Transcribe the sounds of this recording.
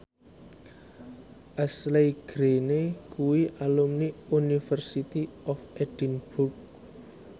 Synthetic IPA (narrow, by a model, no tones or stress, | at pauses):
ʔaslejɡ̥ɾenekuwiʔalumniunifərsit̪iɔfeɖ̥inburk̚